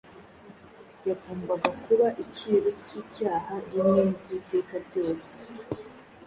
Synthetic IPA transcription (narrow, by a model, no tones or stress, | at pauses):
jaɡoːmbaɡakuβaʔiciːɾociːcaːhaɾimɲemubɟiːte̞ːkaɾjo̞ːse̥